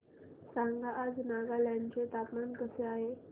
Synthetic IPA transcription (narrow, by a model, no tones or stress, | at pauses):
saŋɡʱaʔːd͡znaɡaljant͡set̪apmankəseaɦe